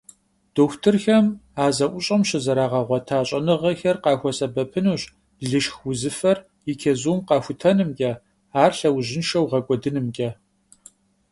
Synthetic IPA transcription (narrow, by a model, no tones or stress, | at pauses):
d̥oːxʷtʰɨrxɐmaːzɐʔʷʊɕʼɐmɕɐzɐɾaːʁɐʁʷɔtʰaːɕʼɐnɨʁɐxɐrqɑːxʷɔsʼɐbɐpʰɨnuːɕ | ɮɨʃxwʊzɨfɐr | jɪkʲʰɐzuːmqɑːxʷʊtʰɐnɨmkʲʼɐ | aːrɬɐwʑɪnʃɐwʁɐkʷʼɔdɨnɨmkʲʼɐ